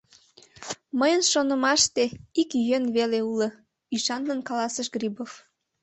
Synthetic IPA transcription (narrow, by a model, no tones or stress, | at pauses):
məjənʃonəmɑʃt̪eikjønβeleulə | yʃɑnd̪ənkɑlɑsəʃɡribof